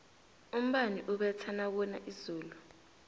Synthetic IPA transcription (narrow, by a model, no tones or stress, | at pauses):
um̩ɓaniʔuɓɛt͡sʰanak̬ɔna̰ʔizuːlu